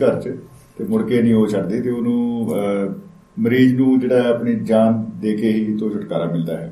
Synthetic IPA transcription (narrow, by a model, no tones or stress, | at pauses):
kəɾt͡ʃ | t̪eːmʊɾkeːnĩːɦoːt͡ʃʰəɽd̪eːt̪eːʊnũː | məɾiːd͡ʒnũːd͡ʒeːɽaːɛəpniːd͡ʒaːnd̪eːkʰeːɦiːt̪õːt͡ʃʰəʈkaːɾaːmɪld̪a̰ːɦɛː